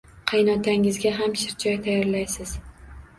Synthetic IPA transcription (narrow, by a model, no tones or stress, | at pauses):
qʰɑjnɒt̪ʰaŋɪzɡʲaɦamʃɪɾd͡ʒɒjt̪ʰajɒɾlajsɪz̥